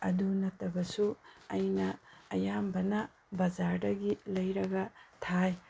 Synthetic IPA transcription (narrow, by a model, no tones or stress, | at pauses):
ɐdunɐtːɐbɐsuɐjnɐːjambɐnɐ | bɐd͡ʒaɾdɐɡilɐjɾɐɡɐtʰaj